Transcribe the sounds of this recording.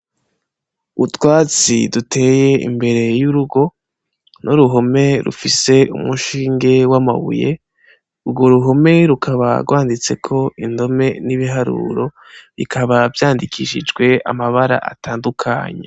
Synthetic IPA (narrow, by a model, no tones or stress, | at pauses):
utwaːt͡sidutʰe̞je̞ḭmbe̞ɾe̞juɾuɡo̞ | nʔuɾuɦo̞me̞ɾṵfise̞ṵmuʃiːŋɡe̞wama̰βṵje̞ | uɡo̞ɾuɦo̞me̞ɾukʰaβa̰ɾɡwaːndit͡se̞kʰo̞ʔindo̞me̞niβiɦaɾṵɾo̞ | βikʰaβavjaːndikʰiːʃid͡ʒɡwe̞a̰maβaɾa̰ʔa̰taːndukʰa̰ɲḛ